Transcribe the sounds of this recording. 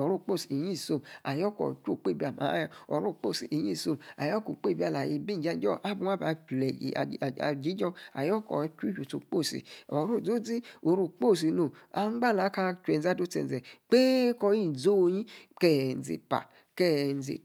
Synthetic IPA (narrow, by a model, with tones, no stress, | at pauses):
ɔ˨ɾu˦˨k͡po˦˨si˨i˨ji˦˨so˨ma˨jɔ˦kɔ̰˨t͡ʃo˦˨k͡pe˦˨bi˦˨a˨ma̰˨˦ja˦ɔ˨˦ɾu˦˨k͡po˦˨si˨i˨ji˦˨so˧ma̰˨jɔ˦ko˨k͡pe˦˨ba˨la˨ji˧bi˦˨d͡ʒa˦d͡ʒɔ˦˨ʔa˦bu˧˦a˦ba˨lɛ˨ḭ˨a̰˨d͡ʒi˨˦d͡ʒɔ˦a̰˨jɔ˦kɔ̰˨˦t͡ʃu˦d͡ʒu˨to̰˨k͡po˦˨sḭ˨ɔ˨˦ɾu˦˨d͡zo˦d͡zi˦o˨ɾu˨k͡po˦˨s̬i˧no˨a˨˦ŋ͡mɡ͡ba˦˨la˨˦ka˧t͡ʃu˨ɛ˨n˨za˦do˦t͡sɛ̰˨n˨zɛ˨k͡pe˦kɔ˧ji˦˨d͡zo˦o˧ɲi˦kɛ˦˨n̩˨zḭ˨pa̰˨ | kɛ˦n̩˨zḭ˨